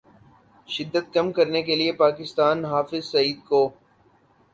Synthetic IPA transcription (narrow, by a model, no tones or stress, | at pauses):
ʃɪd̪ːət̪̚kɐmkɐɾnekeliepaːkɪst̪aːnɦaːfɪzsɐiːd̪koː